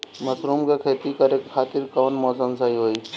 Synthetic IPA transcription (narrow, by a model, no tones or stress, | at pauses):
mɐsɾuːmkekʰeːt̪ikɐɾekkʰaːt̪ɪɾkoːnmɔːsəmsɐɦiɦoːiː